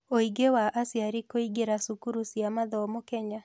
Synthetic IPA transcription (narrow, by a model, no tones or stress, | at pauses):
oiɡewaʔasjaɾikoiɡeɾasukuɾusjamaðɔmokɛɲa